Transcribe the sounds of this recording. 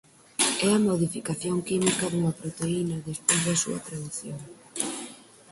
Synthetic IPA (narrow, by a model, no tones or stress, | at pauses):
ɛɐmoðifikaθjoŋkimikɐðuŋɐpɾot̪einɐðespojzðɐsṵɐt̪ɾaðuθjoŋ